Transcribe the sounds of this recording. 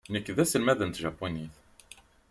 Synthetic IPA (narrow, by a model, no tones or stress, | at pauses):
nəkːðæsəlmæðənt̪ʒæpːuniθ